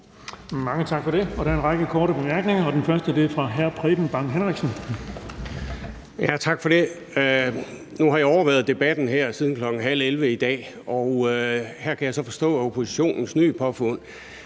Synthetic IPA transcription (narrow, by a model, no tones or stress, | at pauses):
mɑ̈ŋət͡sʰɑ̈ɡ̥fɒ̽ɾ̥e̝ɒ̽ɾ̥æɐe̝nʁɑ̈ɡ̥əkʰɒːɾəb̥e̝mæɐɡ̥ne̝ŋɐɒ̽d̥enfɶɐsd̥əd̥e̝fʁɑ̈ɦæɐ̰pʰʁɛb̥n̩b̥ɑ̈ŋ̰ɦenʁeɡ̥sən | jæt͡sʰɑ̈ɡ̥fɒ̽ɾ̥e̝ | nuɦɑ̈jɒʊɐʋæɐð̞̩ˠd̥e̝b̥æd̥n̩ɦæɐ̰siːð̞ˠn̩kʰlɒ̽ɡ̥ŋ̩ɦæl̰elʋəid̥ɛ̰ː | ɒʊhæɐ̰kʰæjɑɪsɒ̽fɒ̽sd̥ɔ̰ːopʰo̝si̥ɕo̝̰ːnn̩sny̰ːpʰɒ̽fɔn̰